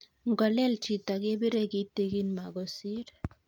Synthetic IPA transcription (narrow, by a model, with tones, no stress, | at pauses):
ŋɡɔ˨lɛ˦lt͡ʃi˨ta˨ɡe˦bi˦ɾɛ˦ɡi˦te˦ɡi˦nma˨ɡɔ˨si˦ɾ